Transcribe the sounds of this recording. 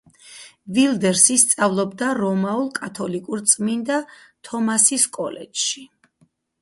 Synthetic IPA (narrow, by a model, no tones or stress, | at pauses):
vild̪ɛɾsist̪sʼavlˠɔbd̪aɾɔmaulˠkʼat̪ʰɔlikʼuɾt̪sʼmind̪at̪ʰɔmasiskʼɔlɛ̰t͡ʃʃi